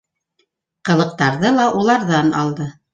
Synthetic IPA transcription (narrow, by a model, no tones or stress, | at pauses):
qɤ̆lˠɤ̆q̚t̪ɑɾðɤlˠɑʔulˠɑɾðɑnɑ̰lˠd̪ɤ